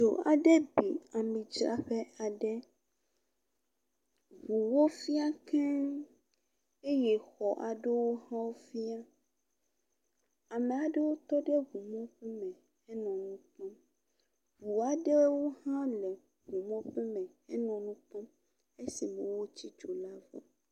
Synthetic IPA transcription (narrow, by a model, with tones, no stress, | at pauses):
d͡ʒo˨a˨ɖe˦bi˨a˨mĩ˨d͡ʒɾa˦ɸe˦a˨ɖɛ˦ | ɣu˨wo˦fi˦a˦kɛ̃˦ | e˦jɛ˨xɔ˨ʔa˨ɖe˦wo˦ɦã˦wo˦fi˦a˦ | a˨mẽ˨a˨ɖe˦wo˦t̪ɔ˦ɖe˦vu˨mɔ̃˦ɸɛ˦mɛ̃˨ | ɛ˦nɔ̃˨nũ˦k͡pɔ̃˦ | ɸu˨a˨ɖe˦we˦wo˦hã˦lɛ˨ | ɸu˨mɔ̃˦ɸe˦mɛ̃˨e˦nɔ̃˨nũ˦k͡pɔ̃˦ | e˦si˨mẽ˨wo˦t͡ɕi˦d͡ʒo˨la˦vɔ̰˦